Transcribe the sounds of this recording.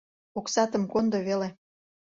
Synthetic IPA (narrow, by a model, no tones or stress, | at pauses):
oksɑt̪ə̆mkond̪ŏβele